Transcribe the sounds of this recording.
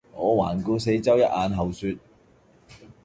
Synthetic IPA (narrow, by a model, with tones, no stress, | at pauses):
ŋɔː˨˧waː˨˩nkuː˧se˨˧˥jt͡sɐ˥wjɐ˥t̚aː˨˧nɦɐ˨wsyː˧t̚